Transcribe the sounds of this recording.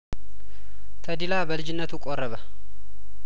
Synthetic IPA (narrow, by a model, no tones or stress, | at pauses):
t̪ʰəd̪ilabəlɨd͡ʒɪnːət̪ʰukʼorːəβə